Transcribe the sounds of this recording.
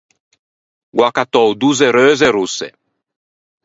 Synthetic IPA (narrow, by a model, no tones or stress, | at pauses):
ɡwakat̪ɔwd̪uzeɾøːzeɾusːḛ